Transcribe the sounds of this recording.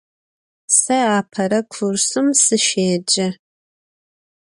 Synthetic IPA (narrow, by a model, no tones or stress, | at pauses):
sɐaːpʰɐɾɐkʷʰʊrsɨmsɨʃeːd͡ʒɐ